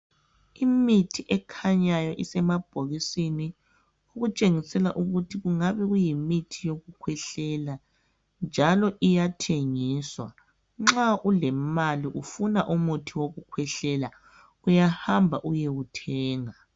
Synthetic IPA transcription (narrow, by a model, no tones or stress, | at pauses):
imitʰiʔɛkʰaɲajɔʔisɛmab̥ʱoɣisini | uɣut͡ʃʼeŋisɛla̰ʔuɣutʰiɣuŋaβɛɣujimitʰijoɣukʰwɛɬɛla | nd͡ʒʱalɔʔijatʰeŋiːswa | ŋ͡ǁaʔulɛmaliʔufunaʔumutʰiwoɣukʰwɛɬɛla | ujahambʱaʔujeɣutʰɛːŋa